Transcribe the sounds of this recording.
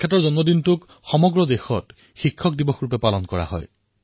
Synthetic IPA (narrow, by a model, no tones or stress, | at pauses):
et̬ɔɹzɔnmɔdintuk | xɔmɔɡɹɔd̪exɔt | xikʰːɔk̚dibɔxɹupepalɔnkɔɹa̰ɦɔ̰j